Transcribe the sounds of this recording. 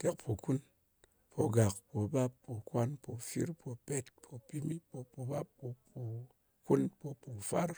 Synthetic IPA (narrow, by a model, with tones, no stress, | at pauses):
te˦k̚pʰo˨ku˦n | pʰo˨ɡa˨k̚po˨ba˦pːo˨kwa˦npo˨fḭ˦ɾpʰo˧pe˦t̚pʰo˨pi˦mi˦po˧po˨ba˦pːo˧po˨ | ku˦npo˧po˨fa˦ɾ